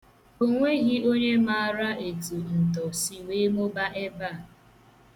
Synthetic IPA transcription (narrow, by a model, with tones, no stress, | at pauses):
o˦ŋʷe˦ɣi˦o˦ɲe˦ma˦˨˦ɾa˦ʔe˨tu˨n̩˨tɔ˨si˨we˦mo˦ba˦ʔe˦ba˦˨